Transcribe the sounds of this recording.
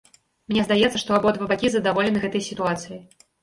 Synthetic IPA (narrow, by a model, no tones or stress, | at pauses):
mnʲɛzd̪ajɛt̪sːɐʂt̪ɔabɔd̪vɐbakʲizɐd̪avɔlʲɪnɨɣɛt̪ɐjsʲit̪uat̪sɨji